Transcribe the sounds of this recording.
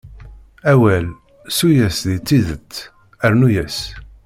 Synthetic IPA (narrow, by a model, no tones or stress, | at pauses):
æwæl | sujæsðit͡sːiðət̪ː | æɾnujæs